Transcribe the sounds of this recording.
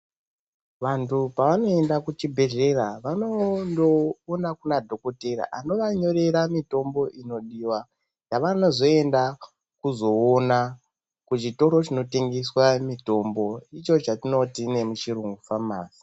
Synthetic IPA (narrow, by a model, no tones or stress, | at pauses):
ʋantʰupaʋano̞e̞ndakut͡ʃibʱe̞ɮe̞ɾaʋanondoːnakunadʱo̞ko̞teɾa̰ʔano̞ʋaɲo̞ɾe̞ɾamito̞mbo̞ʔino̞ɗiwa | jaʋano̞zo̞e̞nda | kuzo̞ːna | kut͡ʃito̞ɾo̞t͡ʃino̞te̞ŋɡe̞swamito̞mbo̞it͡ʃo̞t͡ʃatino̞tine̞mut͡ʃiɾuŋɡufamaːsi̥